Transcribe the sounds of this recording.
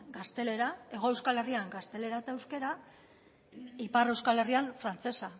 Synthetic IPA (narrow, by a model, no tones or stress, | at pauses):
ɡast̪e̞le̞ɾae̞ɣ̞o̞ewskale̞riaŋɡast̪e̞le̞ɾat̪aewske̞ɾa | ipare̞wskale̞rianfɾant͡se̞sa